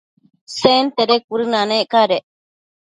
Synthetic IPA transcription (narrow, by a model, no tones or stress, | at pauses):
sent̪eɾekuɾɨnãnẽʔkaɾeʔ